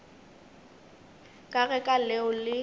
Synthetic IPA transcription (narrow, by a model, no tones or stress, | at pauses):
kʼaɣɛkʼalɛʊlɪ